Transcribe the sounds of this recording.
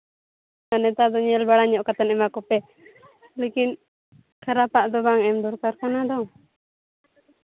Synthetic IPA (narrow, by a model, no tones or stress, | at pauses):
anɛt̪ad̪ɔɲɛlbaɽaɲɔʔkat̪anɛmakɔpɛ | lekin | kʰaɾapaʔd̪ɔbaŋɛmd̪ɔɾkaɾkanad̪ɔŋ